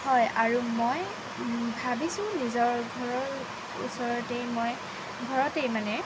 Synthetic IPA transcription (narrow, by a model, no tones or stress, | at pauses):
hɔjaɹumoj | bʱabisʊ̃nizɔɹɡʱɔɹɔɹ | ṵsɔɹɔtejmoj | ɡʱɔɹɔtejmanɛ